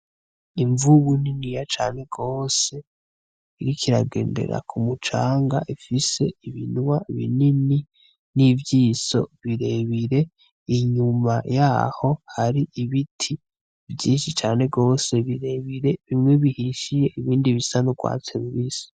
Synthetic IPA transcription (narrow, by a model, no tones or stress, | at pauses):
iɱvuβuninijat͡ʃa̰ːne̞ɡ̥o̞ːse̞ | iɾikʰiɾaɡe̞̰ːnde̞̰ɾa̰kʰumut͡ʃaːŋɡaʔifise̞iβḭnwaβḭnini | nivjiːso̞̰βiɾe̞βiɾe̞ | iɲumajaːho̞haɾiʔiβitʰi | vjiːnʃit͡ʃaːne̞ɡo̞ːse̞βiɾe̞βiɾe̞βimŋe̞βihiʃije̞ʔiβiːndiβisanuɡwa̰ːt͡seβuβiːso̥